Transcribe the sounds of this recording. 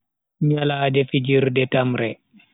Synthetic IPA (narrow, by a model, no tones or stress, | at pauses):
ɲalaːdɛfid͡ʒiɾdɛtamɾɛ